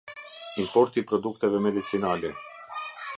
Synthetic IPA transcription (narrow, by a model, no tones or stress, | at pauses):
impo̞rt̪ipɾod̪ukt̪evemed̪it̪sinalʲe